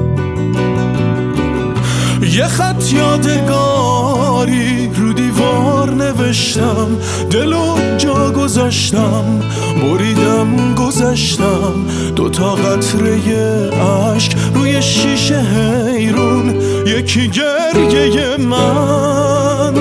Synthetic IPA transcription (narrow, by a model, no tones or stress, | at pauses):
je̞χæt̪ʰjɒːd̪e̞ɡɒː | ɾi | ɾuːd̪iːvɒːɾne̞ve̞ʃt̪ʰæ | m | d̪e̞lod͡ʒɒːɡo̞zæʃt̪æm | boɾiːd̪æmɡo̞zæʃt̪ʰæ | m | d̪ot̪ʰɒːɣæt̪ʰɾe̞je̞ | æ | ʃk | ɾuːjeʃiːʃeɦe | jɾun | jecʰiɟe | ɾje̞je̞mæ | n